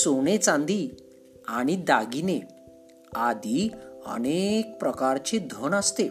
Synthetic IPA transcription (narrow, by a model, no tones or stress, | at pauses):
sonet͡sãnd̪i | aɽ̃id̪aɡine | ad̪ʱiə̰ñek̚pɾəkaɾt͡ɕid̪ʱonəst̪e